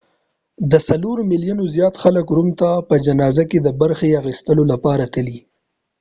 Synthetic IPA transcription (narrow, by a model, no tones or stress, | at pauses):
d̪əsaloɾmɪljunozjɑt̪xaləkɾumt̪apəd͡ʒanɑzaked̪əbaɾxeaxist̪əlolapɑɾat̪əli